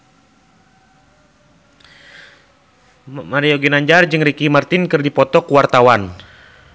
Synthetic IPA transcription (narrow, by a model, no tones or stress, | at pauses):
maɾiɔɡinaɲd͡ʒard͡ʒɨŋrikimart̪inkɨrdipɔt̪ɔkuwart̪awan